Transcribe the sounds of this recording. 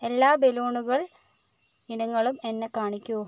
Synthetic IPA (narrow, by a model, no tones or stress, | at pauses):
e̞lːaːbe̞loːɳuɣɐɭ | inɐŋːɐɭume̞nːekaːɳikʲːu